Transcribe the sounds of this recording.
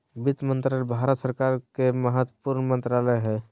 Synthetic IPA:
bit̪mənt̪ɾalebʱaɾət̪səɾkaɾkeməɦət̪wəpuɾnmə̃nt̪ɾaləjɦɛː

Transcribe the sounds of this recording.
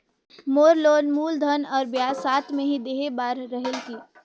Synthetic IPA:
moːɾloːnmuːld̪ʱənɔːɾbjaːsaːt̪ʰmẽɦid̪eːɦebaːɾːəɦəlkiː

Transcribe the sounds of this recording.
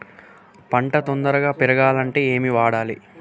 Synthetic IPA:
pɐɳʈɐt̪ond̪ɐɾɐɡaːpiɾɐɡaːlɐɳʈe̞ːeːmiʋaːɽaːli

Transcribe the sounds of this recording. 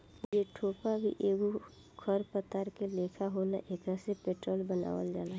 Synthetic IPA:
jeʈʰoːpabʱḭʔeːɡo | kʰəɾpət̪aɾkeleːkʰaɦolaʔeːkasepeːʈɾoːlbəna̰ːʋə̰ld͡ʒaːla

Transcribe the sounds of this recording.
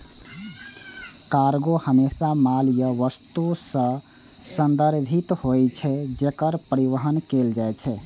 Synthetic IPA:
kaɾɡohəmesamaljəʋəst̪usə̃ | sənd̪əɾbʱit̪hojt͡ʃʰɛd͡ʒekəɾpəɾiʋəɦənkeld͡ʒajt͡ʃʰɛ

